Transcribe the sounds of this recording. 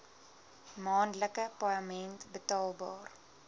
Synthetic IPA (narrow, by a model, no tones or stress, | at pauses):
mɑːnləkəpaɑmɛntbətɑːlˠbɑ̰ːr